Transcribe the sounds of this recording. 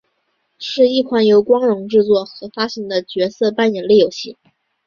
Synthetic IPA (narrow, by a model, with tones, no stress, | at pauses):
ʂɻ̩˥˧i˥˩kʰwa˧˥njo˧˥ʊkwɑ˥ŋɻʊ˧˥ŋʈ͡ʂɻ̩˥˧t͡swɔ˥˩xɤ˧˥fa˥ɕi˧˥ŋd̪ə˧t͡ɕɥɛ˧˥sɤ˥˧pa˥˩njɛ˨˩nli˥˩jo˨˩ʊɕi˥˩